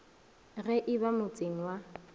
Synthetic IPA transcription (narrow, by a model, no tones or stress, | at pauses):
ɣɛʔɪbamʊt͡sʼeŋ̩wa